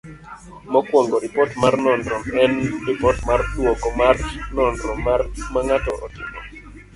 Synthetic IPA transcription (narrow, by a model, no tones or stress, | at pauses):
mɔkwɔŋɡɔɾɪpɔtmarnɔndɾɔmɛnɾipɔtmartwɔkɔmarnɔndɾɔmarmaŋatɔʔɔtɪmɔ